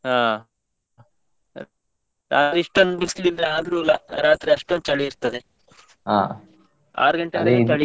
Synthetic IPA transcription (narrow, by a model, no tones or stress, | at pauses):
ɦaː | ɾa̰ːt̪ɾiiʂʈond̪bislilːɐaːd̪ɾuːlɐɾaːt̪ɾiɐʂʈont͡ʃɐɭiiɾt̪ɐd̪e | ɦa | a̰ːɾɡɐɳʈet̪ɐɭ